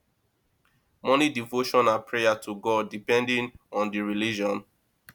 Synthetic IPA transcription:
mɔnidivoʃɔ̃nãnpʰɹejatʰuɡɔd̚ipɛ̃ndĩŋɔ̃ndiɹilid͡ʒɔ̃n

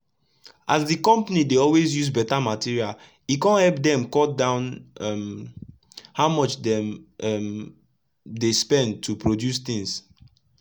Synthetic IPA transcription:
ʔazdikɔ̃mpanideɔlwezjuzbɛtamatiɹial | ikɔ̃nhɛlp̚dɛ̃mkɔtdãʊ̃nm | haʊmɔt͡ʃdɛ̃mɛm | despɛ̃nd̚tʰupɹodjust̪ĩŋs

